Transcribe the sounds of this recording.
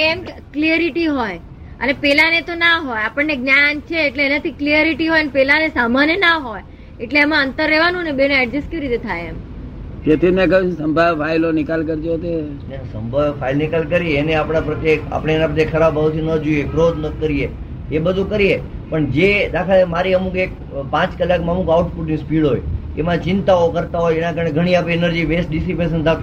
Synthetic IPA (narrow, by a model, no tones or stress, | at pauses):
emkliəɾiʈiɦoj | ə̰nepɛlanet̪onaɦojapəɳneɡnjant͡ʃʰeːʈleːnat̪ʰikliəɾiʈiɦɔjənepɛlanesamanjənaɦoj | eʈleːmãənt̪əɾːɛʋanũənebeneɛɖd͡ʒəskeʋiɾit̪et̪ʰajemd͡ʒet̪ʰinek̬əʋũsəmbʱaʋfʰailonɪkalkəɾd͡ʒot̪e | nesəmbʱafʰailnɪkalkəɾieneapɽ̃apɾət̪jeka̰pɽ̃eːnapɾət̪jekʰəɾabaʋt̪ʰinəd͡ʒojekɾod̪nəkəɾije | ebəd̪ʱũkəɾie | pəɳd͡ʒed̪akʰalemaɾiəmukek̚ | pãt͡ʃkəlːakməmukawʈpuʈnispiɽɦoj | emãt͡ʃɪnt̪aokəɾt̪aɦojenakəɾəneɡʱəɽ̃iapeenəɾd͡ʒiʋesʈɖɪsipesənt̪ʰak